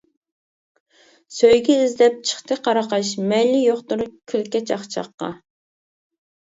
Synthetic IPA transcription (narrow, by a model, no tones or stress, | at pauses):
søjɡʲɛizlɛp̚t͡ʃʰə̥χt̪ʰɨqʰɑɾɑqɑʃmɛlːɪjoχt̪uɾʊkʲʰylkʲɛt͡ʃɑχt͡ʃʰɑ̰qːɑ̰